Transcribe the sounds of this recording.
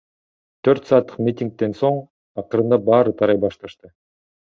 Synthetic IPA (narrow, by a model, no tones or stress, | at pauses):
t̪ʰøɾt̪sɑːt̪ːɯ̥qmʲit̪ʲiŋk̚t̪e̞nso̞ɴ | ɑqɯɾɯnd̪ɑbɑːɾɯt̪ʰɑɾɑjbɑʃt̪ɑʃt̪ɯ